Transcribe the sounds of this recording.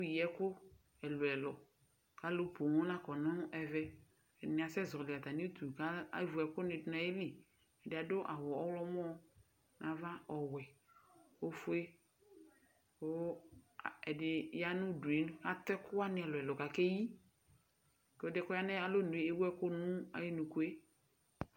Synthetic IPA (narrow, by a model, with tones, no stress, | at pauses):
u˦˨jɛ˨kʊ˦ | ɛ˨lʊ˨ɛ˨lɔ˨ | ka˨˦lo˦po˨ŋɔ˦nã˦kɔ˨nɔ̃˦ʔɛ˨vɛ˦˨ | nɪ˨a˨sɛ˦zɔ˨lɪ˨a˨t̪a˨ni˦t̪u˨ka˦vu˨ɛ˨kʊ˦nɪ̃˨dʊ˦na˨je˦li˨ | ɛ˨dɪ˨a˨dʊ˦ʔa˨wɔ˨ɔ˦wlɔ˦m˦ɔ̃˦ | nʔã˨va˦ɔ˨wɛ˨ | o˦fʊ˦e˦ | o˦˨ | ɛ˨dɪ˨ja˦nʊ̃˦du˨e˨˦ñ˦a˨t̪ɛ˦kʊ˦a˦nɪ˨ɛ˨lo˨ɛ˨lɔ˨ka˨ke˦ji˦ | kɔ˨dɪ˦kʊ˦a˦nɛ̃˦a˨lo˦nũ˨e˨e˦wu˦ɛ˦kʊ˦nũ˦a̰˨je˦nũ˨ko˦e˦